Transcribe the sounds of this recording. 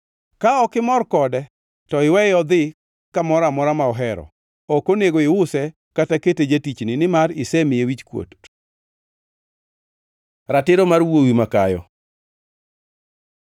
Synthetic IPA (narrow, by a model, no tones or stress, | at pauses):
kaɔkɪmɔrkɔdɛ | tɔɪwɛjɔd̪ɪ | kamɔɾamɔɾamaɔɦɛɾɔ̰ | okoneɡoɪʊsɛ | kataketed͡ʒetit͡ʃnɪnɪmaɾɪsɛmɪjewit͡ʃkwo̰t | ɾatɪɾomarwowimakajɔ̰